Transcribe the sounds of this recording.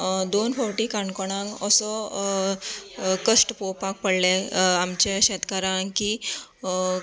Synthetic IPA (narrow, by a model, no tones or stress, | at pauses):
d̪onfʰɔɾʈikaɳkɔɽ̃ãŋkəsɔ | kəsʈpowpak̚pəɽleamt͡ɕẽɕɛt̪kaɾãŋki